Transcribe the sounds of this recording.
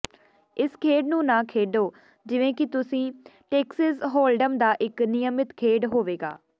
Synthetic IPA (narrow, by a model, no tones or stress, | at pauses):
ɪskʰeːɖnũːnãːkʰeːɖoː | d͡ʒɪʋẽːkɪt̪ʊsĩːʈeːksəzɦoːlɖəmd̪aːʔɪknɪjəmɪt̪kʰeːɖɦoːʋeːɡa̰ː